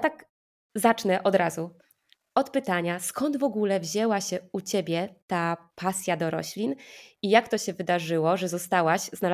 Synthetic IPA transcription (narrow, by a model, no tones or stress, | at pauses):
t̪ak | zat͡ʂnɛʔɔd̪ɾazu | ɔt̪pɘt̪aɲaskɔnd̪vɔɡulɛvʑɛwaɕɛut͡ɕebʲjɛt̪apʰasʲjad̪ɔɾɔ̰ɕlʲinijakt̪ɔɕɛvɘd̪aʐɘwɔʐɛzɔst̪awaɕzna